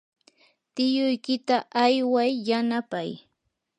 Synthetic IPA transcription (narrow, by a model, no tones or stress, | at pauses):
t̪ɪjʊjkɪt̪aʔajwajːanapaj